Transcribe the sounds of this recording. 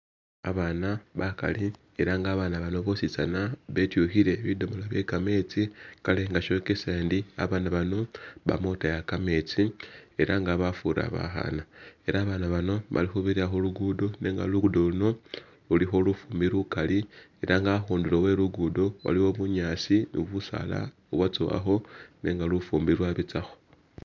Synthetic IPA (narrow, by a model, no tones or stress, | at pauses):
a̰βanaβaka̰li | eɾaŋɡaːβaːnaβano̞βo̞sit͡sa̰naβetjuxiɾe̞βidomolaβje̞kame̞t͡sikale̞ŋɡaʃo̞kesendia̰βaːnaβano̞βa̰mo̞tajakame̞t͡sie̞ɾaŋɡaβafuɾa̰βa̰xa̰nae̞ɾaːβanaβano̞βa̰lixuβiɾiaxoluɡudone̞ŋɡa̰luɡudoluno̞ | lulixo̞lufuːmbilukalie̞ɾʔaŋɡaxuːndulowe̞luɡudowa̰liwo̞βuɲaːsinṵβusa̰la̰ | uwat͡soa̰xo̞ne̞ːŋɡalufuːmbilwaβit͡saxo̞̥